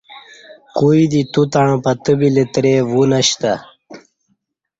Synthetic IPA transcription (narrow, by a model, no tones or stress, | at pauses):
kuid̪it̪ut̪aɳ̃ãpat̪əbilet̪ɾevunaɕt̪a